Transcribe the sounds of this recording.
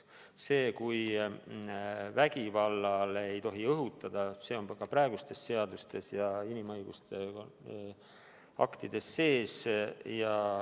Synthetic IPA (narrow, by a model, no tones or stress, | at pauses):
se̞ːkuj | væɡ̥ivɑlːɑlejt̪o̞ɦiɤɦut̪ːˑɑd̪̥ɑse̞ːo̞nkɑpɾɑe̞ɡust̪e̞sːe̞ɑd̪ust̪e̞sjɑinimɤjɡ̥ṵst̪e̞ | ɑ̰kt̪id̪̥e̞sːe̞ːsjɑ